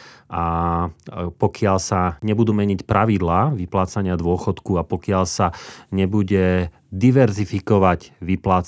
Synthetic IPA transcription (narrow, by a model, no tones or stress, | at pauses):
a | pɔkɪaʎsaɲɛbud̪uːmɛɲicpɾaʋid̪laːʋiplaːt͡saɲɪad̪ʊɔxɔt̪kuapɔkɪaʎsaɲɛbuɟɛ | d̪iʋɛɾzifikɔʋaɟʋiplaːt͡s